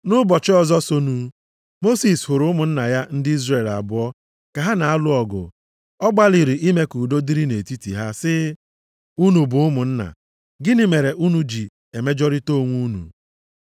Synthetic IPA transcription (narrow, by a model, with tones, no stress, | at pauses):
nʊ˦bɔ˨t͡ʃɪ˦ɔ˦˨zɔ˦so˦nu˦ | mo˦si˨shʊ˨ɾʊ˨˦mʊ˨n̩˦na˨ja˦n̩˦dɪ˦i˦zre˨la̰˨bʊ˨˦ɔ˦ | ka˨ɦa˦na˨a˦lʊ˦ɔ˨ɡʊ̰˨ | ɔ˦ɡ͡ba˦li˨ɾi˨ʔi˦me˦ku˨do˦di˦ɾi˦ne˨ti˦tḭ˨ɦa˦sɪ˦ | u˦nu˨bʊ˨ʊ˦mʊ˨n̩˦na̰˨ | ɡɪ˦nɪ˦me˨ɾe˨ʔu˦nu˦d͡ʒi˨ | e˨me˦d͡ʒɔ˦ɾɪ˦to˦˨ŋʷu˦nṵ˨